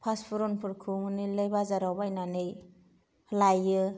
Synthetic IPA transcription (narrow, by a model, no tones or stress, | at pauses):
pʰaspʰuɾɔnpʰɯɾkʰɯmɯnilɯjbazaɾawbajnanɯj | hlajɯ